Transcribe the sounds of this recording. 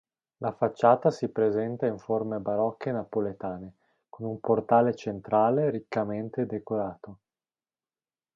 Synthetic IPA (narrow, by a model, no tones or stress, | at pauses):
lafat͡ʃːaːt̪asipɾezɛnt̪aiɱformebaɾɔkːenapolet̪aːne | konumport̪aːlet͡ʃent̪ɾaːleɾikːament̪ed̪ekoɾaːt̪o